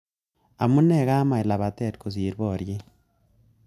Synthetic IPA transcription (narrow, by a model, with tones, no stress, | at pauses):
a̰˨mu˦ne˦˨ɣa˦ma˨i˨la˨βa˨te˦˨t̚ko˨zi˨ɾβo˨ɾje˦